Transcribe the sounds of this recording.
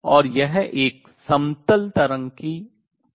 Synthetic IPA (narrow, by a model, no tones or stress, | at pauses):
ɔːɾjɛɦʔeːk | sɐ̃mt̪əlt̪ɐɾə̃ŋki